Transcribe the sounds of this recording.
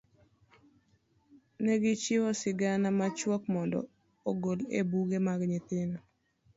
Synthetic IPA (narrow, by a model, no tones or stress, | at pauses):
nɛɡɪt͡ʃɪwɔsɪɡanamat͡ʃwɔkmɔndɔ̰ | oɡolḛbuɡemaɡɲɪt̪ɪnɔ